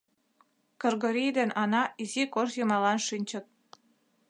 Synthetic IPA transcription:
kɤrɣəɾijd̪enʔɑnɑizikoʃjəmɑlɑnʃynʲt͡ɕə̆t̪̚

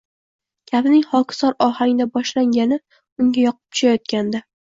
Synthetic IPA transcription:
kʲʰabnɪŋχɒkʰsɒɾɒhaŋʲɪd̪abɒʃlaŋɡʲanɪ | ʊŋɡʲajɒqʰɨ̥p̚t̪ʰʊ̥ʃajɒt̪̚kʲʰand̪a

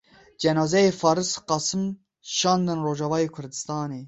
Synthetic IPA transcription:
d͡ʒɛnɑːzɛjefɑːɾɨsqɑsɨm | ʃɑːnd̪ɨnroːʒɑvɑːjeːkʰʊɾd̪ɨst̪ɑːneː

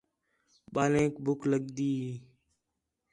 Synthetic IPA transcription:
ɓaːlẽːkbʱʊkləɠd̪iː

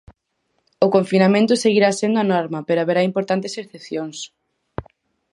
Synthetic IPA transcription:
ʊkoɱfinamẽnt̪ʊseɣiɾasend̪ʊanɔɾmɐpeɾoaβeɾaimpoɾt̪ant̪eseθepθjoŋs

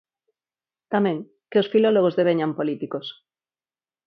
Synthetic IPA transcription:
t̪amẽŋ | keosfiloloɣ̞ozðeβ̞eɲampolit̪ikos

